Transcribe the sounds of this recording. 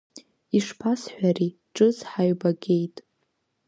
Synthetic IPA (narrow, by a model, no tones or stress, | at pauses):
iʂpʰasħʷᶣari | ʈ͡ʂʼɨzħaɥbaɡʲejtʼ